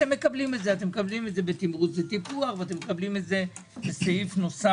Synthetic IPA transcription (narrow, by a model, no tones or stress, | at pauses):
emːe̞kablimetzeat̪̬emekablimetze̞bet̪imʁut͡sletipuaχveat̪emːekablimetze̞ | besejifnosa